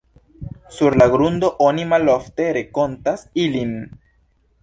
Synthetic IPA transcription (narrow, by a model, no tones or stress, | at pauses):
suɾlaɡɾund̪o̞ʔonimalofte̞ɾe̞ko̞ntasilin